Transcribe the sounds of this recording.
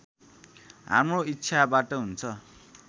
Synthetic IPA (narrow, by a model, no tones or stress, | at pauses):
ɦa̰mroitːt͡sʰabaʈʌɦunt͡sʰʌ